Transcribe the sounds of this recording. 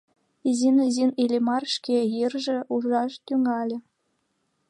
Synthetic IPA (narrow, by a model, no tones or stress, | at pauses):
izinizinilʲemɑrʃkejirʒĕʔuʒɑʃt̪yŋɑlʲĕ